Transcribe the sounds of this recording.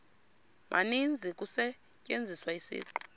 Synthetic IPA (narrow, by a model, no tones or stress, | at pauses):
mʔa̰nind͡zʱik̬ʼusɛ | cʼend͡zʱiswaisḭːǃɔ̥